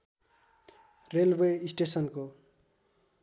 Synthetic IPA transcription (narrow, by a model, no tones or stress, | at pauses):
relweisʈesʌnko